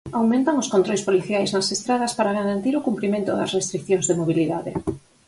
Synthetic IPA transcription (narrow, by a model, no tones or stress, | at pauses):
awmẽnt̪ɐŋʊskont̪ɾojspoliθjajznɐsest̪ɾaðɐspaɾaɣaɾant̪iɾʊkumpɾimẽnt̪ʊðɐ̰srest̪ɾikθjoŋzðemoβ̞iliðaðɪ